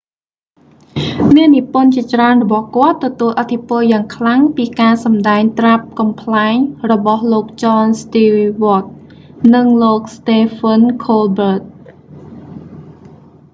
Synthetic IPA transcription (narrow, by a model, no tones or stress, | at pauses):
miənːipʊənt͡ɕiət͡ɕraənrɔɓɑhkŏət̪ːɔt̪uəlʔat̪ʰːipʊ̆əljaːŋkʰlaŋpiːkaːsɑmɗaɛŋt̪rap̚kɑmpʰlaɛŋrɔɓɑhloːk̚t͡ɕɑːnst̪iːʋŏət̪̚ | nɨŋloːk̚st̪eːfʰənkʰoːlbəːt̪̚